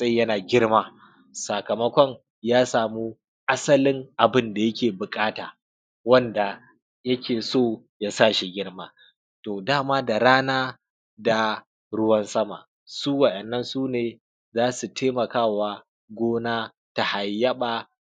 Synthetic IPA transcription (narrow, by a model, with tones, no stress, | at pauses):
sʼɐ˦jɐ˦naː˨ɡʲɪ˦ɽmaː˦ | sa˨kɐ˨mɐ˦kʷɔ˦ŋ | jaː˦saː˨muː˦ | ʔa˦sɐ˦lɪ˦ŋʔa˨bɪ˦nda˨jɐ˦kʲeː˨bʊ˨kʼaː˦taː˨ | wɐ˦nda˨ | jɐ˦kʲʰeː˨soː˦ja˦saː˦˨ʃi˨ɡʲɪ˦ɽmaː˦ | toː˨daː˦maː˦da˨ɽaː˦naː˦ | da˨ | ɽʊ˦wɐ˦nsɐ˦ma̰˨ | suː˦wɐ˨ʔɛ˨nːɐ˦nsuː˦neː˨ | zaː˦su˨tʰeː˦mɐ˨kaː˦˨waː˦ | ɡʷoː˦naː˦ | ta˨ha˨jːɐ˦ɓaː˨